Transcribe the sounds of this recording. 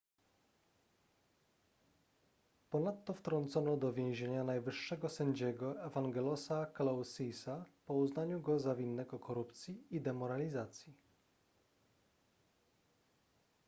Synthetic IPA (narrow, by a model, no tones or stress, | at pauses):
pɔnat̪ːɔft̪ɾɔnt̪sɔnɔd̪ɔvʲjẽw̃ʑeɲanajvɘʂːɛɡɔsɛɲd͡ʑɛɡɔɛvaŋɡɛlɔsaklawsisapɔuznaɲuɡɔzavʲinːɛɡɔkɔɾupt̪sʲjiid̪ɛmɔɾalʲizat̪sʲji